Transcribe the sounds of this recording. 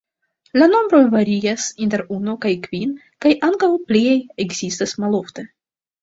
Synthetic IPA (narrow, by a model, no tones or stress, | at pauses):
lano̞mbɾo̞jvaɾiasinteɾunokajkvin | kajʔaŋkawpliejeɡz̥istasmalo̞fte